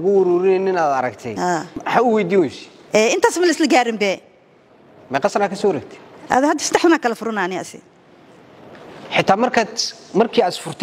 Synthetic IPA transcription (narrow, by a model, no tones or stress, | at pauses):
ɣʊwʊɾuːɾɪnɛnɪnad̪ɐɾɐkt̪ʰɛ̰jhaːħaʊwɛjd̪iːwɛʃ | ʔɛɪnt̪ʰaːsmɐlɪslɐɡaːɾɪmbɛ | mɛqɑsɐɾaːkʰɐsɔɾɐɡt̪ʰɛ̥a̰d̪hɐd̪isɐd̪ɛħt̪ɐnaːkɐlɐfʊɾʊnaːnɪʔɐ̰sɪ̰ | ħɪt̪ʰːaːmɐrkʰaːt̪mɐrkʰiːasfʊrt̪ʰ